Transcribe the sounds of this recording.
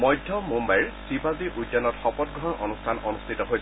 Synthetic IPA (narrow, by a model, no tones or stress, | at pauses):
mɔjdʱːjɔmumbajɹsibʱaziʔudjɔnɔtxɔpɔt̚ɡʱɔɔɹʔɔnustʰanɔnustʰitɔɦojs